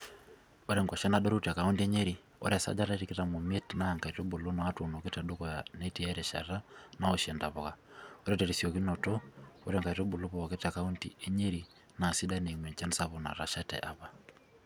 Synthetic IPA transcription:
o˦ɾɛ˦ŋɡɔ˨ʃa˦na˨ɗo˦ɾo˦ta˨ka˨u˦ntie˦ɲe˦ɾi˨ | ɔ̰˦ɾa˨sa̰˦d͡ʒa˦ɾa˦ɾi˦ke˦ta˨mo˨me˦tna˦a˨ŋka˨i˨to˦bo˨lo˦na˨a˦tu˨no˨ke˦ta˨do˦kɔ˨jane˦ti˦a˦ɾɛ˨ʃa̰˨ɾa˦na˦ɔʃɛ˨nda˨βɔ˨kao˦ɾɛ˦tɛ˨ɾisjo˨ki˦nɔ˨tɔ˦o˦ɾɛŋkai˨to˦bu˨lo˦βo˨βa˨ke˦ta˨ka˨u˦ntḭ˨e˦ɲe˦ɾi | na˨si˦da˦ne˨mwɛ˨ɲt͡ʃa˦nsa˦βɔ˨na̰˨ɾa̰˨ʃa˦tɛ̰ʔa˨βa˨

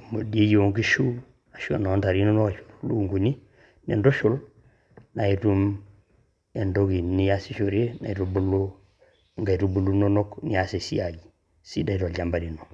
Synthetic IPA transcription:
mo˨di˦e˦jo˨ŋki˦ʃu˦ | a˨ʃo̰˨no˨˦nta˨ɾi˦no˦no˦ka˨ʃu̥˨ɾlṵ˦˨ŋɡu˨ɲi˦ | nḛ˨ndo˦ʃu˦l | na˨i˦tu˦m | e˨ndo˦ki˨ni˦ja˦si˦ʃo˨ɾe˦na̰˨i˨tu˦bu˦lo˦ | ŋɡa˨i˨tu˦bu˦lu˦no˦no˦kni˦a˦se˨si˦a˨ji˨ | sḭ˦da˦i˦to˨lɟa˨mba˨di˨no˨

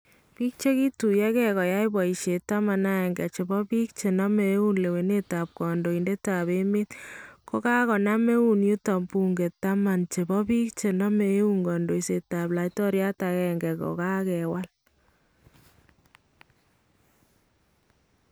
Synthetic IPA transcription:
pi˦k̚t͡ʃe˦ki˦tu˨ja˦kɛ˦kɔ˨ja˦jbɔ˨i˨ʃe˨ta˦ma˨na˦ɛ˨ŋɡɛ̰˨t͡ʃe˨bɔ˦pi˦k̚t͡ʃe˨na˦me˨e˦u˦nle˨we˨ne˦ta˨p̚kɔ˨ndo˨i˨nde˦ta˨βe˦me˦t̚ko˦ka˦kɔ˨na˦me˦u˨nju˦tɔ˨mpu˨ŋɡe˨tːa˦ma˨nt͡ʃe˨bɔ˦pi˦k̚t͡ʃe˨nɔ˦me˨˦u˦ŋɡɔ˨ndo˨jse˨ta˨pla˨jtɔ˦ɾja˦takɛŋɡɛ˨ko̰˨ka˦kɛ˨wa˦l

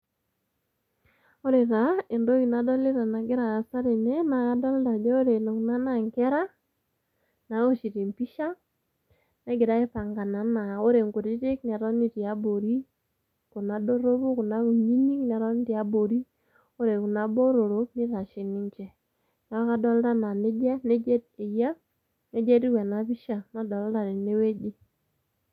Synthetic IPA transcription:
o˦ɾe˨ta˨e˨ndo˦ki˨na˨˦dɔ˦le˦ɾa˨na˨ɡɪ˦ɾaː˨sa˦ɾe˨ne˦na˨a˦dɔ˦lda˨d͡ʒɔ˦o˦ɾe˨no˨kna˦na˦˨ŋkɛ˦ɾa˦ | na˨˦o˦ʃi˨ti˨mpi˦ʃa˦ | na˦ɡɪ˨ɾa˦e˦pa˨ŋɡa˨na˨na˨o˦ɾe˨ŋko˨ɾi˦tɪ˦kna˨ɾɔ˦ni˦˨ti˨a˨˦bo˨ɾi˦ | kʊ˨na˨do˦ɾo˦bu˦kʊ˨na˦ku˨ɲi˦ni˦knɛ˨ɾɔ˦n˦ti˨a˦bo˨ɾi˦ | o˦ɾe˨kʊ˨na˨˦bo˦ɾo˨ɾo˦pnɪ˦ta˨ʃɪ˨nɪ˦ɲt͡ʃɛ˦ | na˨˦a˦ka˦dɔ˦lda˦na˨ne˦d͡ʒa˦ne˦d͡ʒɛ˦de˨ja˦ | ne˦d͡ʒɛ˦ti˦wɛ˨na˨pi˦ʃa˨na˦dɔ˨lda˨ɾɪ˨ne˦we˦d͡ʒi˦

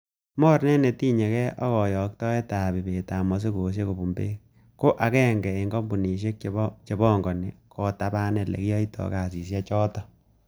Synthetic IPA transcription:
mɔ˦ɾnɛ˦ne˨ti˦ɲe˨kɛ˦ʔɔ˦kɔ˨jɔ˨k̚tɔ˦ɛ˦ta˨bi˨be˨ta˨mɔ˨s̬e˦koː˨s̬je˦ko˨bu˨mbḛ˦ | ko˦ʔa˨kɛː˦ŋɡɛ˨eŋɡɔ˦mbu˨ni˨ʃe˦k̚t͡ʃe˨bɔ˦ŋɡɔ˨nɪ˨kʰɔ˨ta˨ba˦nɛ˨lḛ˨kjɔ˦itʰɔ̰˨ka˨si˨s̬ja˦t͡ʃɔ˦tɔ˨

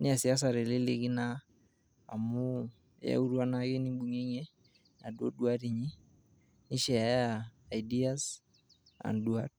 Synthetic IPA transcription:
nɪ˦a˨si˨a˦s̬a˨ɾe˨le˦le˦ɡi˦na˦ | a˨mu˦ | ja̰˦u˦ɾwa˦nake˦ni˦mbu˨ŋe˦ŋe˦ | na˨ɗo̰˦dwaɾi˨ɲi˦ | ni˦ʃɛ˨a˨˦aː˨jdi˦a˦s | a̰˨nduar

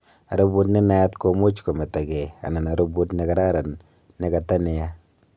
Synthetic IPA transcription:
a˨ɾo˦bu˦tnɪ˦na˦ja˦tko˦mo˦t͡ʃko˨me˨ta˨ɡɛ˨a̰˨na˨na˨ɾu˦bu˦tnɪ˨˦ka˨˦ɾa˦ɾa˨n | nɪ˦ka˨ta˦nɪ˨ja˦

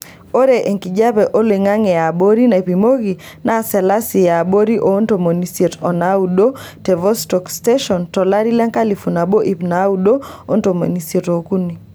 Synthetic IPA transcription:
o˦ɾe˨ʔe˨ŋki˨d͡ʒa˦βɛ˨ʔo˦le˨ŋa˦ŋɛ˨ja˨bo˦ɾi˦na˨pi˨mo˦ɣi˨ | na˦˨sɛ˨la˦si˨ja˨bo˦ɾi˦ʔo˦nto˨mo˨ni˨se˨tɔ˨naudo˦ | tɛ˨vɔ˦stɔ˨ksteʃɔ˨ntɔ˨la˦ɾi˦la˦ŋka˦li˨fu˨na˨bo˦ʔi˨pna˦udo˦o˦nto˨mo̰˨ni˨se˨to˨ku˦ni˨

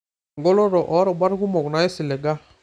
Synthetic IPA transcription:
ŋɡo˦lo˦ɾɔ˨ʔɔ˨˦ɾɔ˨ba˦ɾku˦mɔ˨kna˨e˦si˨lɛ˨ɡa˦

